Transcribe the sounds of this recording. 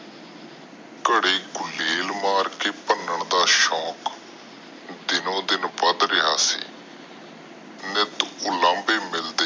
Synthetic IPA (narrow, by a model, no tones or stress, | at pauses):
kəɽeːɡʊleːlmaːɾkeːpənəɳd̪aːʃɔːk | d̪ɪnõːd̪ɪnbəd̪ɾɪɦa̰ːsḭː | nɪt̪ʊlãːmbeːmɪld̪eː